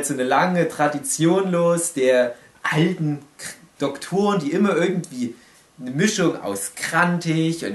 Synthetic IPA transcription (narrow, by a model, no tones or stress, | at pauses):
z̥oːnəlaŋətʁ̥adit͡sjoːnloːsd̥eːɐ | ʔaltn̩d̥ɔktʰoːəndiːʔɪmɐʔɪɐɡŋ̩tv̥iː | nəmɪʃʊŋa̰ʊskʁ̥antʰɪçʊ̰n